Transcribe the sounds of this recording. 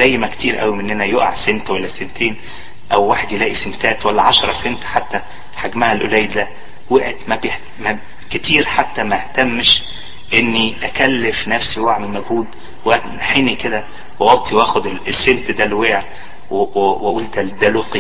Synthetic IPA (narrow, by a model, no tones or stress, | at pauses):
æjːmækt̪iːɾʔæwimenːænæjoʔa̰ʕsent̪wælːæsent̪eːn | ʔæwwaːħed̪jelæːʔisent̪æːt̪wælːæʕɑʃɾˤɑsent̪ħat̪ːæ | ħaɡmæhælʔolæːjd̪æ | weʕet̪mæbe | mæ | ket̪iːɾħat̪ːæmæeht̪æmːʃ | ʔenːiʔækælːefnæfsiwaʕmelmæɡhuːd̪ | wæt̪ħeniked̪æ | wewɑt̪ʰːˤiwæːxod̪eesːent̪d̪ælweːʕ | wweʔuːlt̪æd̪æloːqi